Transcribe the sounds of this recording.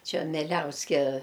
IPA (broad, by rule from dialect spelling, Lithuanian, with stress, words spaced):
ˈt͡ʃʲɛ mʲɛˈlʲɛʊsʲkʲɛ